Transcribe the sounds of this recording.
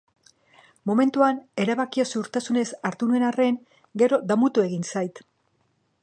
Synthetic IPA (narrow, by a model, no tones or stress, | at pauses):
mo̞me̞nt̪uane̞ɾaβakiosuɾt̪asune̞saɾt̪unue̞nare̞ŋ | ɡe̞ɾo̞d̪amut̪ue̞ɣinsajt̪